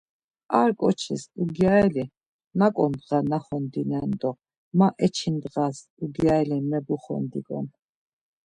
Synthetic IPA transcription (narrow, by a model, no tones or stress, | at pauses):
aɾkʼɔt͡ʃʰisuɡjaɛli | nakʼɔnd̪ʁanaχɔnd̪inɛnd̪ɔq | maʔɛt͡ʃʰind̪ʁas | uɡjaɛlimɛbuχɔ̰nd̪ikʼɔ̰n